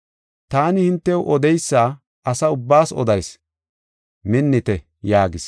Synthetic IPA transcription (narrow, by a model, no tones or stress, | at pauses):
t̪aːnɪhɪnt̪ːɛwʔɔd̪ɛjsːaː | ʔɐsɐʊbːaːsɔ̰d̪ɐjs | mɪnːɪt̪ɛ | jaːɡɪs